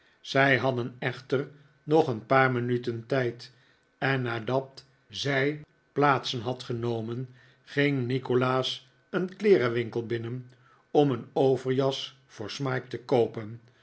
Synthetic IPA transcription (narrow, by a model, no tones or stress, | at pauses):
z̥ɛjɦɑdənɛχtər | nɔχənpaːɹmənytəntɛjt | ɛnːaːdɑt | zɛj | plaːtsənɦɑtχənowmən | χɪŋnikolaːs | ənklɪːɾəʋɪŋkəlˠbɪnən | ɔmənowvəɹjɑs | fʊːɹsmaːk̚təkowpən